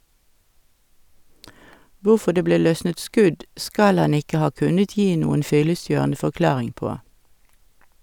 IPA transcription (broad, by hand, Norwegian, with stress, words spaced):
ˈʋuːfɔ ˈdeː ˈbleː ˈlœsnət ˈskʉd ˈskɑl ˈɑn ˈɪkə ˈhɑː ˈkʉnət ˈjiː ˈnuːən ˈfʏləˌsjøːʁnə fɔʁˈklɑːʁɪŋ ˈpoː